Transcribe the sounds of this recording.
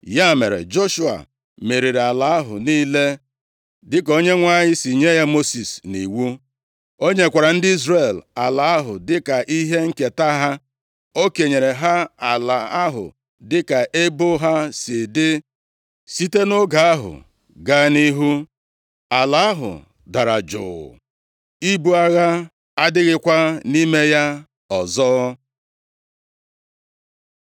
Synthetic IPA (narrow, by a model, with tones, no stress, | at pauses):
ja˦˨me˨ɾḛ˨d͡ʒo˦ʃu˦a̰˨ | me˨ɾi˨ɾe˨a˨la˨˦a˦ɦʊ̰˨niː˦le˦ | dɪ˦ko˦ɲe˦ŋʷa˦ɲɪ˦si˨ɲe˦ja˦mo˦si˨sni˨wu˦ | o˦ɲe˦kʷa˨ɾa˨n̩˦dɪ˦i˦zre˨la˨la˨a˦ɦʊ̰˨dɪ˦ka˨ʔi˦ɦe˦ŋ̩˦ke˨ta˦ɦa˦ | o˦ke˨ɲe˨ɾe˨ɦa˦a˨la˨a˦ɦʊ̰˨ | dɪ˦ka˨ʔe˦bo˦ɦa˦sɪ˨dɪ˦ | si˦te˦no˦ɡa˨a˦ɦʊ̰˨ | ɡa˦ni˦ɦu˦ | a˨la˨˦a˦ɦʊ̰˨ | da˨ɾa˨d͡ʒʊ̰ː˨ | i˦bu˦a˦ɣa˦ | a˦dɪ˦ɣɪ˦kʷa˦ni˦me˦ja˦ | ɔ˨zɔː˦